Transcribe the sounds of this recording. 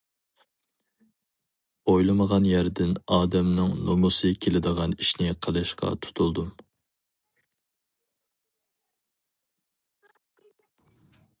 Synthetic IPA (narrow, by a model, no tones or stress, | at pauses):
ojlˠɨməʁɑnjæɾd̪ɪnɑːd̪ɛmnɨŋnomusɨkʲʰelɪd̪əʁɑniʃnɪqʰəlˠɨʃqɑ̰t̪ʰu̥t̪ʰulˠd̪um